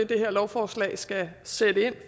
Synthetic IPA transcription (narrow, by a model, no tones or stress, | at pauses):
ed̥e̝ɦeɐlɒʊfɒːslɛ̰ːsɡ̥æsed̥əe̝n̰